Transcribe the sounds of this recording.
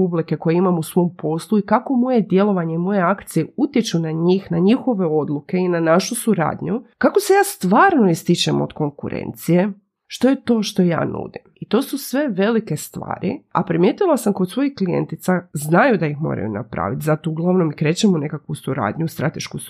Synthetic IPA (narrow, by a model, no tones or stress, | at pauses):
ublike̞ko̞jeimamusʋo̞mpo̞slˠuikako̞mo̞je̞d̪je̞lˠo̞ʋaɲe̞imo̞je̞akt̪sijeut̪je̞t͡ʃunaɲiːxnaɲixo̞ʋe̞o̞d̪lˠuke̞inanaʃusuɾa̰ːd̪ɲukako̞se̞jaːst̪ʋaːɾno̞ist̪it͡ɕemo̰d̪ko̞ŋkuɾḛnt̪sije̞ | ʃt̪o̞je̞t̪o̞ːʃt̪o̞ja̰ːnṵd̪imit̪o̞ːsusʋe̞ʋe̞like̞st̪ʋa̰ːɾḭa̰pɾimje̞t̪ilˠasamko̞d̪sʋo̞jixklijḛnt̪it̪saznajud̪ajixmo̞̰ːɾa̰jṵna̰pɾa̰ːʋit̪zat̪o̞uɡlˠaʋno̞mikɾe̞ːt͡ɕemone̞kakʋusuɾa̰ːd̪ɲust̪ɾa̰t̪e̞ʃku